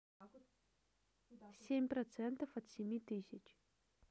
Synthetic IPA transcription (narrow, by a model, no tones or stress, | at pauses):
sʲemʲprɐt̪sɛnt̪əfɐt̪sʲemʲit̪ɨsʲɪt͡ɕ